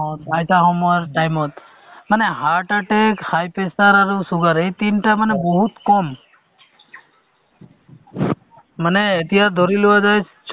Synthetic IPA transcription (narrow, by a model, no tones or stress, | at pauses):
ot̪ajt̪aɦoməɾʈajmɔt̪ | məneɦaɾʈaʈekhajpesaɾaɾusuɡəɾet̪inʈamənebɔɦut̪kɔm | məneet̪iɦasd̪ʱɔɾiluad͡ʒajt͡ʃʰ | t͡ʃ